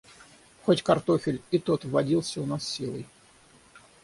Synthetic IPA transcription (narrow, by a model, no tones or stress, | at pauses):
xotʲkɐrt̪ofʲɪlʲɪt̪ot̪vːɐdʲilˠsʲəʊnasːʲilˠə̰j